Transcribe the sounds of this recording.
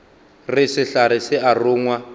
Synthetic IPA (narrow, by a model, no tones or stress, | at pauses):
rɪsɪɬaɾɪsɪʔarʊːŋwa